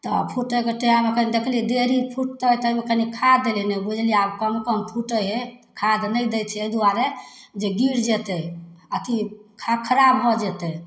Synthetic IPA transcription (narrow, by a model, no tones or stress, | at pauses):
t̪ɔ̰pʰuʈəkeʈeamekənid̪ekʰlid̪eɾipʰuʈ̚t̪ət̪əimekənikʰadd̪elinɛbud͡ʒʱliabkəmkəmpʰuʈəɦekʰad̪nəjd̪ɛtt͡ʃʰɛeid̪uaɾed͡ʒeɡiɾd͡ʒet̪əət̪ikʰakʰəɾabɦɔd͡ʒɛt̪ɛ